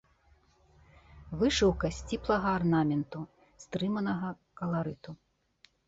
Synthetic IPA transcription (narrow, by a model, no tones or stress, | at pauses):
vɨʂɨwkɐsʲt͡sʲiplˠɐɣɐːrnamʲɛnt̪u | st̪ɾɨmɐnɐɣɐ | kɐlˠaɾɨt̪u